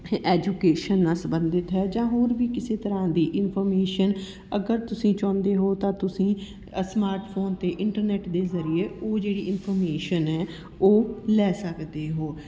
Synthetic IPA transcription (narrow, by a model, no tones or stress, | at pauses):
ɛːd͡ʒuːkeːʃənːãːsəbənd̪ɪt̪ɦɛːd͡ʒãːɦoːɾbiːkɪseːt̪əɾãːd̪iːʔɪnpʰɔɾmeːʃən | əɡəɾt̪ʊsĩːt͡ʃɔ̃ːnd̪eːɦoːt̪ãːt̪ʊsĩː | smaːɾʈpʰoːnt̪eːʔɪɳʈəɾnɛːʈd̪eːzəɾɪjeːoːd͡ʒeːɽiːʔɪnpʰəɾmeːʃənɦɛː | oːlɛːsəkd̪eːɦoː